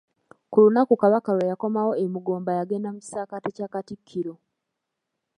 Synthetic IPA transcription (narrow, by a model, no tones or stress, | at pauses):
kulunakukaβakalwajako̞mawo̞emuɡo̞ːmbajaɡe̞namui̥saːkatecaːkatikʰːiɾo̞